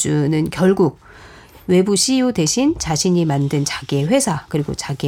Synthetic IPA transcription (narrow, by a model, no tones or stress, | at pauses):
unɯnkjʌɭɡuɡ̚ | we̞buɕʰijude̞ɕʰint͡ɕaɕʰiɲimandɯnt͡ɕaɡeɸwe̞sʰakɯɾiɡo̰t͡ɕaɡe